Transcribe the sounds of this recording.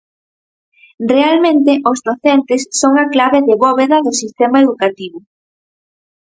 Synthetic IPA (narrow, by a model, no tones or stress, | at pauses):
realmẽnt̪ɪʔozðoθent̪ɪsːoŋaklaβeðeβɔβeðɐðʊsist̪emaeðukat̪iβʊ